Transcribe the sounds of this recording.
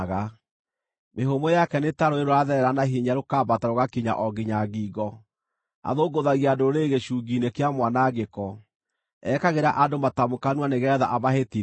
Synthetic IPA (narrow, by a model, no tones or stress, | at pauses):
ɣa | meɦomojakɛnetaɾoeɾoɾaðɛɾɛɾanaɦiɲaɾokaːbataɾoɣakiɲa̰ʔɔɡiɲaɣiɡɔ | a̰ðoɡoðaɣiadoɾeɣeɕuːɡinekeamwanaɣekɔ | ɛkaɣeɾaʔadomatamokanwaneɣɛːða̰ʔaβaɦeti